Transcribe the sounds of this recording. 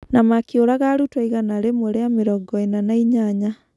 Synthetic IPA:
namakioɾaɣaɾutwaiɣanaɾemoɾeameɾɔɡɔenanaiɲaɲa

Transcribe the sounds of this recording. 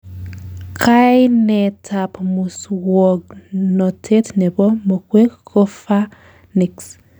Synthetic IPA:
kʰajnɛtʰapmuswɔɡnotʰetnɛbɔmokwekkːofa | niks

